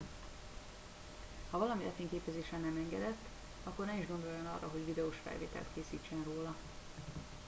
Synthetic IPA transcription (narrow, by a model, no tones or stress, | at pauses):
hɒvɒlɒmilɛfeːŋkeːpɛzeːʃɛnɛmɛŋɡɛd̪ɛt̪ː | ɒkːornɛiʒɡo̞nd̪o̞jːonɒ̰rːɒɦo̞ɟvid̪ɛoʃfɛ̰lvḛːt̪ɛ̰lt̪keːsiːt͡ʃːɛnroːlɒ